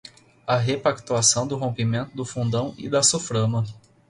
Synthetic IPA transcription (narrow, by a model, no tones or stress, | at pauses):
ɐɦepakt̪uasɐ̃w̃d̪ʊɦõmpimẽnt̪ʊd̪ʊfũnd̪ɐ̃w̃ɪ̰d̪ɐsufɾɐ̃mɐ